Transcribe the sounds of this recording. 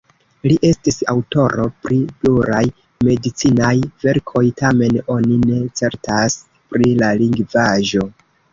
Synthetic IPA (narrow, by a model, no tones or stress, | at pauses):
liʔe̞stisawto̞ɾo̞pɾipluɾaj | me̞dit͡sinajve̞ɾkʰo̞jtame̞no̞nine̞t͡se̞ɾtas | pɾilaliŋɡvaʒo̞